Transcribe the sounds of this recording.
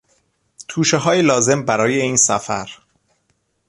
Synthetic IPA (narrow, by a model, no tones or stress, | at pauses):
t̪ʰuːʃeɦɒːjelɒːze̞mbæɾɒːjeiːnsæfæ̰ɾ